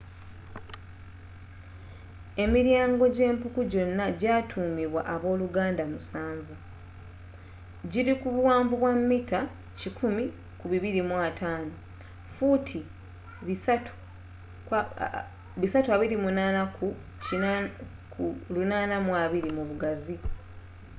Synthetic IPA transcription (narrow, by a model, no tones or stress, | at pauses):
e̞miɾjaːŋɡo̞ɟe̞ːmpukuɟo̞nːaɟaːtʰuːmiβwaʔaβo̞ːluɡaːndamusaːɱvu | ɟiɾikuβuwaːɱvuβwamːita | cikʰumi | kuβiβiɾimwatʰaːno̞ | futʰi | βisatuaβiɾimunaːnaku | i | klunaːnamwaːβiɾimuβuɡazi